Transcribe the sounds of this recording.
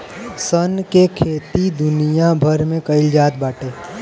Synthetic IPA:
sənkekʰeːt̪id̪ʊnijabʱɐɾmẽkɐɪld͡ʒaːt̪̚baːʈeː

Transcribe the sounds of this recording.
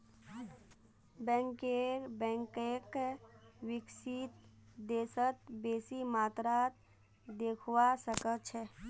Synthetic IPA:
bɛ̃ːŋkeɾbɛ̃ːŋkek | wɪksit̪d̪eːsət̪beːsimaːt̪ɾat̪ | d̪eːkʰwasəkət͡ʃʰɛː

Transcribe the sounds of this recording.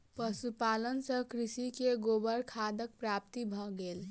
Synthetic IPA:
pəsupalənsə̃kɾisikeɡobəɾkʰad̪ək̚pɾap̚t̪ibʱɔɡel

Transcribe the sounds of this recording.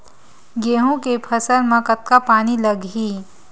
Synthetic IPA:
ɡeːɦõkepʰɐsəɾmãkət̪̚kapaːniləɡʱɦiː

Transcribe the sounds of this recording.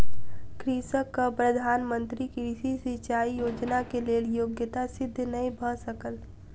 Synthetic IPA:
kɾisəkːapɾəd̪ʱaːnmə̃nt̪ɾikiisisit͡ʃaːijoːd͡ʒnakeleːljoːɡjət̪asɪd̪ʱːnəĩbʱəsəkəl

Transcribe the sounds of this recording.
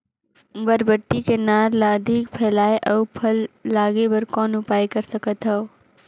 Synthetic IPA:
bɐɾbəʈːikenaːɾlaːd̪ʱikpʰɛːlaːeʔɐːpʰɐlːaːɡebɐɾkɔːnʊpaːjkɐɾsəkət̪ɦɐo

